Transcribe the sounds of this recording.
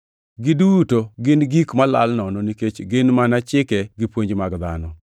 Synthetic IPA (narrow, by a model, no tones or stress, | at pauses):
ɡɪdutoɡɪnɡikmala̰lnɔnɔniket͡ʃɡɪnmanat͡ʃɪkɛɡɪpwoɲd͡ʒmaɡd̪anɔ